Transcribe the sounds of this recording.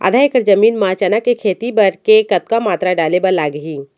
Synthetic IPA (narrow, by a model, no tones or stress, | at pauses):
a̰ːd̪ʱaːjekəɾd͡ʒɐmiːnmaːt͡ʃaːnakekʰeːt̪ibɐɾkekɐt̪̚kamaːt̪ɾaɖaːlebɐɾlaːɡəɦiː